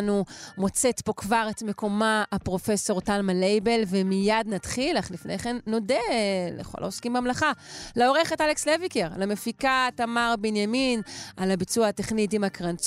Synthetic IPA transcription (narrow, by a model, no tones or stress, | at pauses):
numo̞t͡se̞tpo̞kvaʁetme̞ko̞maapʁo̞fe̞so̞ʁtalmalejbe̞lvemijadnadχilaχlifnʔejχenːo̞delḛχo̞̰lʔa̰oskimbeamlaχaleo̞ʁe̞χetalekslevikeʁlamefikatamaʁbenjaminalabit͡suaate̞χnit̬imakʁant͡s